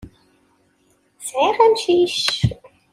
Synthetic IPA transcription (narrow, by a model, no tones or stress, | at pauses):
sʕiʁæmʃiʃ